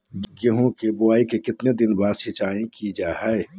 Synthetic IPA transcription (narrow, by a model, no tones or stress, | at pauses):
ɡəɦõkebʊaːikekɪt̪ned̪ɪnbaːɾʃɪt͡ʃaːẽkid͡ʒaːɦɛː